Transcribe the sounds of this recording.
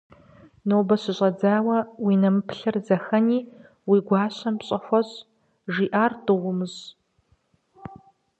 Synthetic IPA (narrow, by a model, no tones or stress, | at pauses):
noːbɐɕɪɕʼɐd͡zaːwɐwinɐmɨpʰɬɐrzɐxɐniː | wiɡʷɑːɕʷɐmpɕʼɐxʷɐɕ | ʐiːʔaːrdɨʁʷʊmɨz